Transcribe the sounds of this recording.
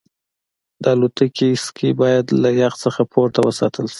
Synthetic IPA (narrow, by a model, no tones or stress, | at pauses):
d̪əalot̪əkʰiskʰebɑjad̪lajɑxt͡səxapʰoɾt̪awəsɑ̰t̪ʰəlʃi̥